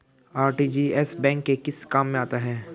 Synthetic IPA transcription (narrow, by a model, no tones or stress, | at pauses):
aːɾʈiːd͡ʒiːɛsbɛ̃ːŋkːekɪskaːmːẽaːt̪aɦɛː